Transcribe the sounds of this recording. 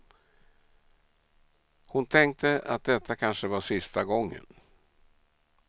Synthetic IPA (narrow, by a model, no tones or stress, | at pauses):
hʊnt̪ʰɛŋk̚t̪ʰəa̰t̪̚d̪ɛt̪ʰːakʰanʂəvaʂɪst̪aɡɔŋːə̰n